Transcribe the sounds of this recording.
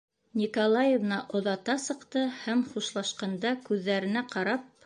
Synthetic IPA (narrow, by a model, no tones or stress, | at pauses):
nʲikolˠɑjevnɑʔŏðɑt̪ɑsɤ̆qt̪ɤhæmχuʃlˠɑʃqɑnd̪ɑkʉðːæɾɘ̆næqɑɾɑp̚